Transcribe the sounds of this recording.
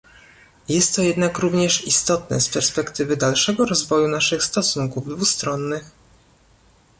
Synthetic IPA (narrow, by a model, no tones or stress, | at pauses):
jɛst̪ːɔjɛd̪nakɾuvɲɛʂist̪ɔt̪nɛ̰spɛɾspɛkt̪ɘvɘd̪alʂɛɡɔɾɔzvɔjunaʂɘxst̪ɔsuŋkuvd̪vust̪ɾɔnːɘx